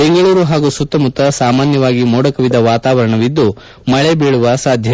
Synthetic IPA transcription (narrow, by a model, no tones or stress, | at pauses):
beŋɡɐɭuːɾuɦaːɡusut̪ːɐmut̪ːɐsaːmaːnjɐʋaːɡimoːɽɐkɐʋid̪ɐʋaːt̪aːʋɐɾɐɳɐʋid̪ːu | mɐɭebeːɭuʋɐsaːd̪ʱjɐ